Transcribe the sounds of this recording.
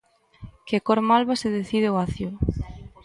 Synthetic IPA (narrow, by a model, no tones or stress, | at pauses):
kekoɾmalβaseðeθið̞ɪoaθjoʊ